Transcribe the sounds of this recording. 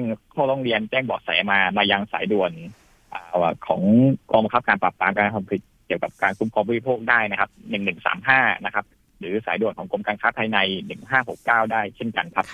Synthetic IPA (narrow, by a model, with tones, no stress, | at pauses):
ɯ˥˩ŋkʰɔː˥˩ɾɔː˧˩ŋɾi˧ənt͡ɕɛː˥˩ŋbɔː˨˩k̚sa̰˨˩˦jmaː˧maː˧ja˧ŋsaː˩˦jdu˨˩ən | ʔːkʰɔ̰ː˩˦ŋkɔː˧ŋba˧ŋkʰa˦˥p̚kaː˧nplaː˨˩paː˧mkaː˧nkʰa˧mpʰi˨˩t̪̚ki˨˩əwka˨˩p̚kaː˧nkʰuː˦˥mkʰɔː˧mbɔː˧˦i˦˥pʰoː˥˩k̚daː˥˩jna˦˥kʰa˦˥p̚nɯ˨˩ŋnɯ˨˩ŋsa̰ː˩˦mɦaː˥˩na˦˥kʰa˦˥p̚ | ɾɯː˩˦sa̰ː˩˦du˨˩ənkʰɔː˩˦ŋko˧mkaː˧ŋkʰaː˦˥p̪ʰaː˧jna˧jnɯ˨˩ŋɦaː˥˩ho˨˩kːaː˥˩wdaː˥˩jt͡ɕʰe˥˩nka˧nkʰa˦˥p̚